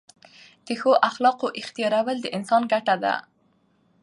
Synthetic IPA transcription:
d̪̥əxoʔaxlɑqoʔɪxt̪ijɑɾawəld̪əʔɪnsɑnɡaʈad̪a̰

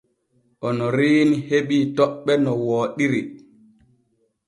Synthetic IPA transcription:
ʔɔnɔɾiːniheɓiːtɔɓːɛnɔwoːɗiɾi

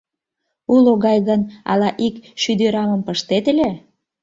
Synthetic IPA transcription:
uloɣɑjɣənɑ̰lɑʔikʃyd̪yɾɑməmpəʃt̪et̪əlʲe

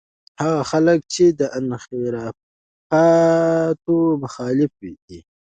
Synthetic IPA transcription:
haɣaxalək̚t͡ʃed̪əʔanxeɾa | pa | t̪omʊxɑlɪfwiki

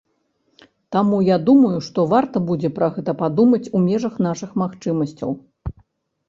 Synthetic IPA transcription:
t̪amujad̪umɐjuʂt̪ɔvart̪ɐbud͡zʲɛpɾɐɣɛt̪ɐpad̪umɐt͡sʲumʲɛʐɐxn̪aʂɨxmaxt͡ʂɨmɐsʲt͡sʲɐ̰w

